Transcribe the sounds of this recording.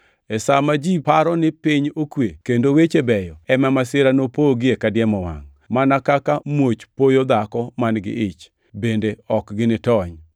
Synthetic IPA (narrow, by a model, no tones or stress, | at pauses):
ɛsamad͡ʒipaɾɔnɪpɪɲokwekendowet͡ʃebɛjɔɛmɛmasɪɾanopoɡɪekadjɛmɔwa̰ŋ | manakakamwot͡ʃpojod̪akɔmanɡɪ̰ʔɪt͡ʃ | bendeɔkɡɪnɪtɔɲ